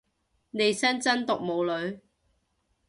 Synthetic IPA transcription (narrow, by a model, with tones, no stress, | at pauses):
ne˨˧jsɐ˥nt͡sɐ˥nt̪ʊ˨k̚mo˨˧wlɵ˨˧ɥ